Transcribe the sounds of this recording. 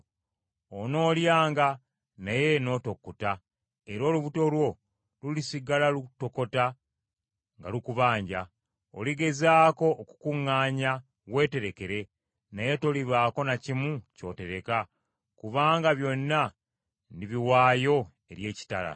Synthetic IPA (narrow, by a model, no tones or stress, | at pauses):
ono̞ːljaːŋɡa | naje̞no̞ːto̞kːota | e̞ɾo̞ːluβuto̞lwo̞ | lulisiɡalaluto̞ko̞ta | ŋɡa̰lukuβaːɲɟa | o̰liɡe̞zaːko̞ːku̥kuŋːaːɲa | ɣwe̞ːte̞ɾe̞ke̞ɾe̞ | naje̞to̞liβaːko̞nacimuco̞̰te̞ɾe̞ka | kuβaːŋɡaβjo̞nːa | niβiwaːjo̞ | e̞ɾje̞ːci̥ta̰la̰